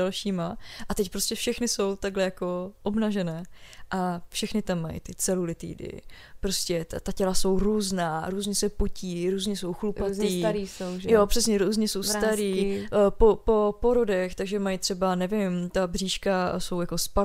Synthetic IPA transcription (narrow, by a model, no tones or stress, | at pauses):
alʃiːmaʔat̪ɛcpɾo̞scɛfʃɛxnɪso̞wt̪aɡlɛjako̞ʔobnaʒɛnɛːʔafʃɛxnɪt̪amːaj̰t̪ɪt͡sɛlulɪt̪ḭːdɪ̰ | pɾo̞scʲɛt̪acɛlaso̞wɾuːznaːɾuːzɲɛsɛpociːɾuːzɲɛso̞wxlupat̪iːɾisowʒjopr̝̥ɛsɲɛɾuːzɲɛso̞wst̪aɾiːpopo̞poɾo̞dɛxt̪aɡʒɛmajt̪r̝̥ɛbanɛvɪmt̪abriːʃkaso̞wjako̞spa